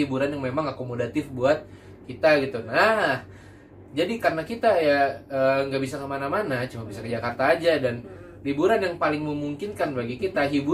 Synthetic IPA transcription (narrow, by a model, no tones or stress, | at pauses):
ibuɾanjaŋmemaŋakomodat̪ɪfbuat̪̚ | kit̪aɡit̪unah | d͡ʒadikarənakit̪ajaəːŋɡabisakəmanamanat͡ʃumabisakəd͡ʒakart̪aːd͡ʒadan | libuɾanjaŋpalɪŋməmuŋkinkanbaɡikit̪aɦibu